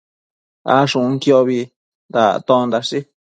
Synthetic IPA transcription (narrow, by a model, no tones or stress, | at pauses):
a̰ʂũũŋkjoβi | nd̪a̰t̪õnd̪aʂi